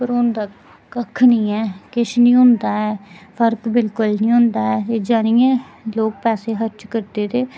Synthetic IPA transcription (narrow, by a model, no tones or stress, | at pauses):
pəɾʊ̃nd̪aː | kəkʰːnĩːɛːkɪʃnĩːɦʊ̃nd̪aːɛːpʰəɾkbɪlkʊlnĩːɦʊ̃nd̪aːɛːed͡ʒaːnĩːɛ̃ːloːk̚pɛːseːɦəɾt͡ʃkəɾd̪eːt̪eː